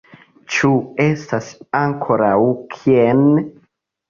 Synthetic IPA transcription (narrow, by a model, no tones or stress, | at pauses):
t͡ʃuestasaŋkʰoɾawkʰien